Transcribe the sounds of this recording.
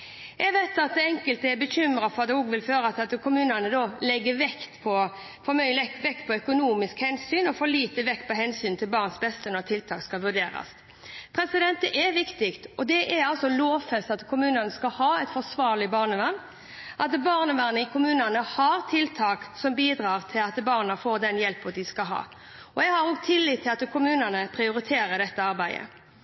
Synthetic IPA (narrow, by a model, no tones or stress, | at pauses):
jɛɡʋæɪt̪ɑt̪̚d̪ɛɛŋkəlt̪əɛɾbəɕʏmɾɑfɔʁɑt̪ɛɔɡʋɪlføːɾəɑt̪ɑt̪kʰʊmʉːnənəd̪ɔːlɛɡːəʋɛkt̪pʰɔ | fɔɾmœʏlɛkʋɛkt̪pʰɔœkʊnuːmɪskhɛnsyːnɔfoːliːt̪əʋɛkt̪̚pʰɔɦɛnsyːnt̪ʰɪlbɑːʁnsbɛst̪ənɔʁt̪ʰɪlt̪ʰɑːkskɑlʋʉɖ̪eːɾɑ̰s | pʰɾɛsɪd̪ɛnt̪ɛʔɛʋɪkt̪ɪkt̪ɔd̪ɛʔɛɾɑlsɔloːʋfɛst̪ɑt̪kʰʊmʉːnənəskɑlhɑːɛɪt̪fɔsʋɑːʁlɪbɑːʁnəʋɑn | ʔɑt̪bɑːʁnəʋæʁnəɪkʰʊmʉːnənəhɑɾt̪ʰɪlt̪ʰɑːksɔmbiːd̪ɾɑːʁt̪ʰɪlɑt̪bɑːʁnəfoːɾd̪ɛnjɛlpːɔd̪ɪskɑɦɑ̰ː | ɔjɛɡhɑɾɔːɡ̚t̪ʰɪlːiːt̪ʰːɪlɑt̪kʰʊmʉːnənəpʰɾɪʊɾɪt̪ʰeːɾəd̪ɛt̪ːəɑɾbæɪd̪ə̰